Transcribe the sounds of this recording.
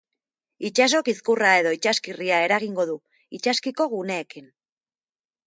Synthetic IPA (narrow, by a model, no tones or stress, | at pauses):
it͡ʃas̬o̞kiskurae̞ðo̞it͡ʃaskiriae̞ɾaɣiŋɡo̞ðu | it͡ʃaskiko̞ɣune̞ːkin